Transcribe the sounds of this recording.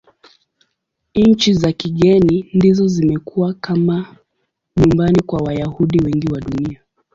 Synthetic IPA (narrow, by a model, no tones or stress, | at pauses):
ɲ̩t͡ʃizakiɠɛnindizɔzimɛkʰuwakama | ɲumbanikwawajahuɗiwɛŋɡiwaɗunia